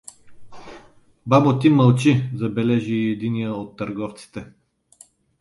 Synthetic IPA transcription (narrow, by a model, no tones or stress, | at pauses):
babot̪iməlˠt͡ʃizɐbɛlɛʒiːɛd̪inijəot̪ːɐɾɡɔft̪si̥t̪ɛ